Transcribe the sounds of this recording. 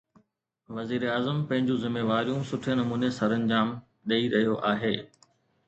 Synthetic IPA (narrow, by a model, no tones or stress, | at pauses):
ʋɐziːɾeaːzəmpɐ̃ɦɪ̃ɲd͡ʑũzɪmːeːʋaːɾijũsʊʈʰenɐmuːnesɐɾənɪ̆d͡ʑaːm | ɗɐiɾɐɦijoʔaːɦeː